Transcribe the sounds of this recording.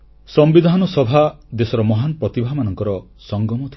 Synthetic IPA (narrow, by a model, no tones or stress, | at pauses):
sɔmbid̪ʱanɔsɔbʱad̪esɔɾɔmɔɦanɔpɾɔt̪ibʱamanɔŋkɔɾɔ | sɔŋɡɔmɔt̪ʰ